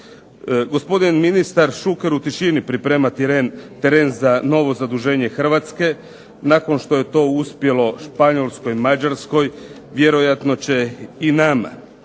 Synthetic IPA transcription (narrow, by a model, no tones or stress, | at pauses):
ɡo̞spo̞d̪inminist̪aɾʃukeɾut̪iʃinipɾipɾe̞ːmat̪t̪eɾeːnzano̞ʋo̞zad̪uʒe̞ːɲe̞xr̩ʋat̪ske̞ | nako̞nʃt̪o̞je̞t̪o̞uspje̞lo̞ʃpaɲo̞lˠsko̞jmad͡ʑaɾsko̞j | ʋje̞ɾo̞jat̪no̞t͡ɕe̞inama̰